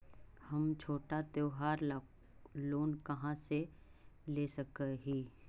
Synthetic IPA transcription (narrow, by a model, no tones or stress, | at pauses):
hɐmt͡ʃʰoːʈat̪eːɦaːɾ | loːnkɐɦãse | leːsɐkəɦiː